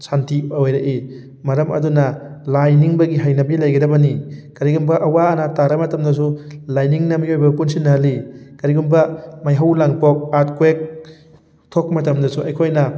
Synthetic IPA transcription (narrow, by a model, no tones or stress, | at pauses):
santʰiojɾaʔi | mɐɾɐmʔɐ̰dunɐlajniŋbɐɡiɦajnɐbilɐjɡɐdɐbɐnikɐɾiɡumbɐʔɐwanɐtaɾɐmɐtɐmdɐs̬ulajniŋnɐbiojbɐkunsinːɐɦɐlikɐɾiɡumbɐmajɦawlaŋpok̚at̚kwek̚ | tʰok̚mɐtɐmdɐsuɐjkʰojnɐ